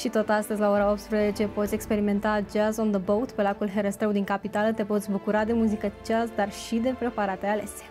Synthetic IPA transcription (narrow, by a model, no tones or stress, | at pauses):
ʃit̪o̞t̪ast̪əzʲlao̞ɾao̞p̚t̪spɾeze̞t͡ʃe̞pot̪sʲekspe̞ɾime̞nt̪ad͡ʒazond̪əbowt̪pe̞lakulɦe̞ɾəst̪ɾewd̪iŋkapit̪alət̪e̞po̞t̪sʲbukuɾad̪e̞muzikət͡ʃasd̪arʃid̪e̞pɾe̞paɾat̪e̞ale̞sʲ